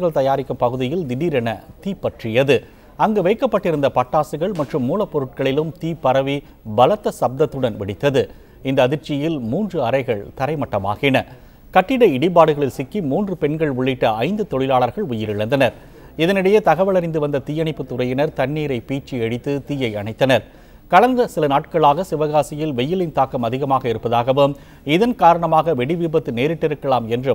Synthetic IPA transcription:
ɯɣɐɭt̪ɐjaːɾɪkːɯmpɐɣɯðɪjɪld̪ɪniɾɛnɐt̪iːpːɐʈrɪjɐðɯ | ɐŋɡeʋɐɪkːɐpːɐʈːɪɾɯnd̪ɐpɐʈːaːsɯɣɐɭmɐʈrɯmːuːlɐpːɔɾɯʈ̚kɐɭɪlɯmt̪iːpːɐɾɐʋi | bɐlɐt̪ːɐsɐb̚d̪ɐt̪ːɯɽɐnʋɪɽɪt̪ːɐðɯ | ɪnd̪ɐːðɪɾt͡ʃɪjɪlmuːndrɯɐɾɐɪɣɐɭt̪ɐɾɐɪmɐʈːɐma̰ːɣɪnɐ | kɐʈːɪɽɐɪɽɪp̬aːɽɯɣɐɭɪlsɪkːimuːndrɯpɛnɡɐɭʊɭːɪʈːɐɐɪnd̪ɯt̪ɔɭɪlaːɭɐɾɣɐɭʊjɪɾɪɭɐnd̪ɐnɐɾ | ɪðɐnɪɽɐjeːt̪ɐɣɐʋɐɭɐɾɐɪnd̪ɯʋɐnd̪ɐt̪ɪjɐɳɪpːɯt̪ːʊrɐjɐnɐɾt̪ɐɳːiːɾɐɪpiːt͡ʃːiɛɽɪt̪ːɯt̪iːjɐɪɐnɳɐɪt̪ːɐnɐɾ | kɐɭɐnd̪ɐsɪlɐnaːʈkɐɭaːɣɐsɪʋɐɣaːsɪjɪlʋɛjːɪlɪnt̪aːkːɐmɐðɪɣɐmaːɣɐɪɾɯpːɐðaːɣɐʋɯm | ɪðɐnkaːɾɐɳɐmaːɣɐʋɛɽɪʋibɐt̪ːɯneːɾɪʈːɪɾɯkːɐɭaːmɛndrɯ

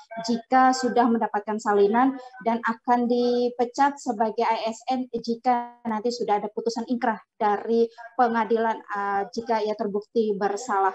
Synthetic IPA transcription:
d͡ʒikasudahməndapat̪̚kansalinandanakandipət͡ʃat̪̚səbaɡajaɛsɛnd͡ʒikanant̪isudahadaput̪usaniŋkɾahd̥aɾipəŋadilanəd͡ʒikaijat̪ərbuk̚t̪ibərsalah

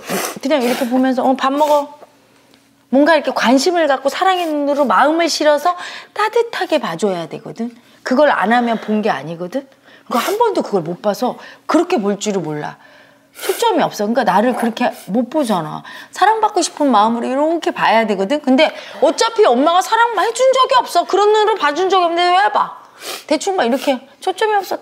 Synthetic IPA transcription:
ʌt͈ʰɯɲaŋiɾʌkʰepomjʌns̬ʰʌːpamːʌɡʌ | mwʌnɡaiɾʌkʰekwanɕʰimɯɭkak͈osʰaɾaŋennuɾomaɯmɯɭɕʰiɾʌsʰʌt͈adɯtʰaɡe̞pad͡ʑoejadwe̞ɡʌdɯn | kɯɡʌɾɭa̰namjʌnponɡe̞a̰ɲiɡʌdɯn | kɯɡahambʌndokɯɡʌɭmop͈asʰʌkɯɾʌkʰe̞poɭt͡ɕ͈iɾɯmoɭːa̰ | t͡ɕʰot͡ɕ͈ʌmiʌp̚s͈ʌkɯŋk͈anaɾɯɭkɯɾʌkʰe̞mop͈od͡ʑana̰sʰaɾaŋbak͈oɕʰi̥pʰɯnmaɯmɯɾoiɾʌkʰe̞paejadwe̞ɡʌdɯnkɯnde̞ʌt͡ɕ͈apʰiʌmːaɡasʰaɾaŋmahed͡ʑund͡ʑʌɡiʌp̚s͈ʌkɯɾʌnːɯɾopad͡ʑund͡ʑʌɡiʌndeejaba̰ | te̞t͡ɕʰuŋmaiɾʌkʰe̞ | t͡ɕʰot͡ɕ͈ʌmiʌp̚s͈ʌ

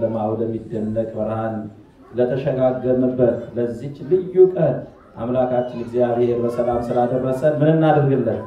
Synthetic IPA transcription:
ləmawoləmːid̪ːənːəkʼbəɾhan | lət̪ʰəʃəɡaɡəmɨbət̪ləzːihlɨjːukʼən | ʔa̰mlakʰat͡ʃːɪnɪɡzijaβheɾbəsəlamsɨlad̪ərːəsʼəmɨnɨnːad̪əɾɡɨlːən

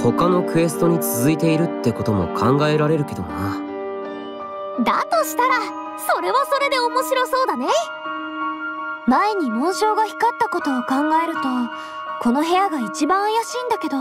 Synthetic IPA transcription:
ho̞kano̞kɯ̟e̞s̬ɨ̥t̪o̞ɲ̟it͡sɨzɨit̪e̞iɾɯ̟t̪ːe̞ko̞t̪o̞mo̞̰kʰãŋɡae̞ɾaɾe̞ɾɯ̟ke̞d̪om̰na | d̪a̰t̪o̞ɕi̥t̪aɾa | so̞ɾe̞βaso̞ɾe̞d̪e̞omo̞ɕiɾo̞so̞ːd̪ane̞ | maeɲ̟imoːɕo̞ːɡaçi̥kat̪ːako̞t̪o̞ːkãŋɡae̞ɾɯ̟t̪o̞ | ko̞no̞ɦe̞jaɡait͡ɕibãɰ̃ajaɕiːnd̪ake̞d̪o

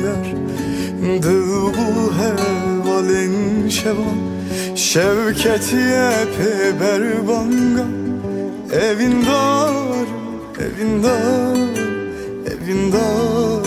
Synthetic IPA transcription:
laɾ | d̪ɯlbuɦɛvalɛnʃɛvan | ʃɛvcʰɛt̪ʰijɛpʰɛbɛɾbaŋɡa | ɛvind̪aɾ | ɛ̰vind̪ɑ | ɛ̰vind̪a

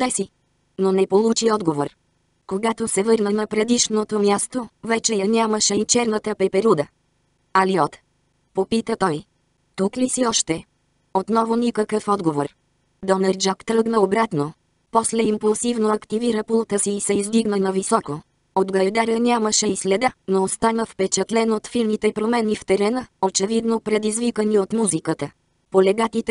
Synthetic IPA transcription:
d̪ɛsi | nonɛpolˠut͡ʃiɔd̪ɡovoɾ | koɡat̪osɛvɤɾnənɐpɾɛd̪iʃnot̪omʲjast̪ovɛt͡ʃɛjɐnʲaməʃɛit͡ʃɛɾnət̪əpɛpɛɾud̪ə | ɐliɔt̪ | popit̪ət̪ɔj | t̪uklisiɔʃt̪ɛ | ot̪nɔvonʲikəkəfɔd̪ɡovoɾ | d̪ɔnəɾd͡ʒakt̪ɾɤɡnəobɾat̪no | pɔslɛimpulˠsivnoɐkt̪iviɾəpulˠt̪əsiːsɛizd̪iɡnənɐvisɔko | od̪ɡɐd̪aɾənʲaməʃɛislɛd̪ənoost̪anəfpɛt͡ʃɛt̪lɛnoot̪filnit̪ɛpɾomɛnift̪ɛɾɛnəot͡ʃɛvid̪nopɾɛd̪izvikəniot̪muzikət̪ə | polɛɡat̪it̪ɛ

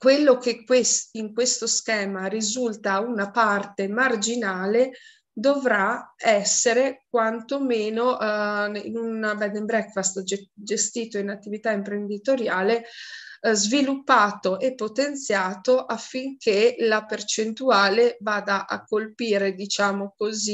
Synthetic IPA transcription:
kwelːok̟ekːwesiŋkwest̪oskɛːmaɾizult̪aunapart̪emard͡ʒinaːle | d̪ovɾaɛsːeɾek̚want̪omeːnoʔḭnunbɛd̪ɛmbɾɛkfast̪d͡ʒd͡ʒest̪iːt̪oinat̪ːivit̪aimpɾend̪it̪oɾjaːle | zvilupːaːt̪oʔepːot̪ent̪sjaːt̪oʔafːiŋkʰelapert͡ʃent̪uaːlevaːd̪aʔa̰kːolpiːɾed̪it͡ʃaːmokozi

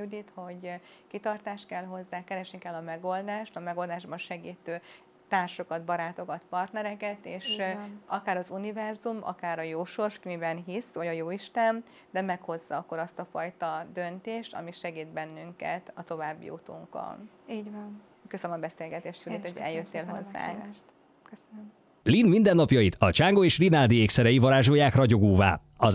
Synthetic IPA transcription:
yd̪it̪ho̞ɟkit̪ɒrt̪aːʃt̪̚kɛlɦo̞zːaːkɛɾɛʃnikɛlːɒmɛɡo̞ld̪aːʃt̪ɒmɛɡo̞ld̪aːʒbɒnʃɛɡiːt̪øː | t̪aːrʃo̞kɒd̪bɒɾaːt̪o̞ɡɒt̪pɒrt̪nɛɾɛkɛt̪eːʃɒkaːɾɒzunivɛrzumɒ̰kaːɾɒjoːʃo̞rʃkimibɛnɦisʋɒɟɒjoːiʃt̪ɛm | d̪ɛmɛkho̞zːɒɒkːo̞ɾɒst̪ɒfɒjt̪ɒd̪ø̞nt̪eːʃt̪ɒ̰miʃɛɡiːt̪bɛnːyŋkɛ̰t̪ɒt̪o̞vaːbːḭṵt̪ṵŋkɒ̰lin | køsønmɒbɛseːlɡɛt̪eːʃt̪fylit̪hoɟɛ̰ljøt̪ːeːlɦo̞zːa̰ːŋk | køsnm | linmind̪ɛnːɒpjɒjit̪ɒt͡ʃaːŋɡoeːʃrinald̪ieːksɛɾɛjivɒɾaːʒo̞jaːkrɒɟo̞ɡoːva̰ː | ɒ

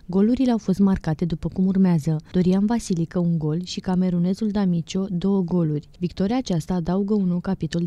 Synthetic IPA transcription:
ɡo̞luɾile̞awfo̞st̪markat̪e̞d̪upəkumurmeazəd̪̥o̞ɾiamvasilikəuŋɡo̞lʃikame̞ɾune̞zuld̪amit͡ʃo̞d̪o̞wəɡo̞lurʲvikt̪o̞ɾiaːt͡ʃast̪aːd̪auɡəunːowkapit̪o̞l

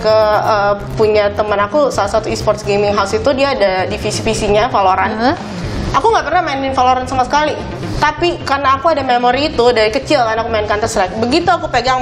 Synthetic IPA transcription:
kəəpuɲat̪əmənakusalasat̪uispɔrt̪sɡemɪŋɦaʊsit̪udiaːdadifisifisiɲafaloɾan | ʔakuŋɡaʔpərnahmaɪnɪnfaloɾansamasə̥kali | t̪apikarnaːkuadamemoɾiːt̪udaɾikət͡ʃɪlkarnakumaɪnkant̪əsɾɛk̚bəɡit̪uakupeɡaŋ

